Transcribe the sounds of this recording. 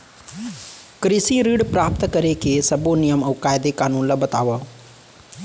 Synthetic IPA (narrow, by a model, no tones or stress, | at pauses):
kɾiːsiɾiːɽpɾaːp̚t̪kɐɾekʰeːsɐbonɪjəmɐːkaːɪd̪ekaːnuːnlɐbɐt̪aːʋə